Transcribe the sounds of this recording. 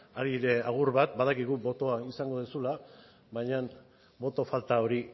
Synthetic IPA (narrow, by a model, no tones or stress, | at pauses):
aɾiɾe̞aɣ̞uɾβat̪̚baðakiɣ̞ubo̞t̪o̞aisaŋɡo̞ðusula | βajɲan | bo̞t̪o̞falt̪ao̞ɾi